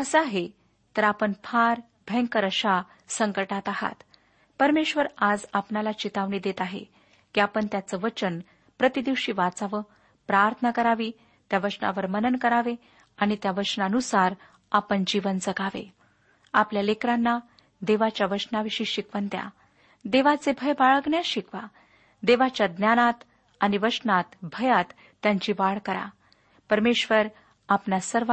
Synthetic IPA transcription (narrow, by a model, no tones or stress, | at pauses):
əsəaɦe | t̪əɾapəɳfʰaɾ | bʱɛ̃ŋkəɾəɕa | səŋkəʈat̪aɦa̰t̪ | pəɾmeɕʋəɾad͡zapnalat͡ɕit̪aʋɳiːd̪et̪aɦḛ | kiːapəɳt̪jat͡səʋət͡ɕən | pɾət̪id̪iʋɕiːʋat͡saʋə | pɾaɾt̪ʰənəkəɾaʋiː | t̪jaʋət͡sna̰ʋəɾmənənkəɾaʋe | aɽ̃it̪jaʋət͡ɕnaənusaɾ | apəɳd͡ʑiʋənd͡zəɡʱaʋḛ | apljalekɾanːa | d̪eʋat͡ɕjaʋəʂnaʋiɕiːɕikʋənt̪ja̰ | d̪eʋat͡sebʱəjbaɭəɡɳjaɕikʋa | d̪eʋat͡ɕjad̪njanat̪ | aɽ̃iʋəsnat̪bʱəjat̪ːjãɲt͡ɕiːʋaɭkəɾa̰ | pəɾmeɕʋəɾ | apnasəɾʋ